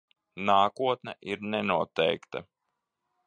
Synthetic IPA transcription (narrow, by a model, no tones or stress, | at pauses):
naːkuɔt̪nɛʔiɾnɛnuɔt̪ɛjkt̪ɐ̰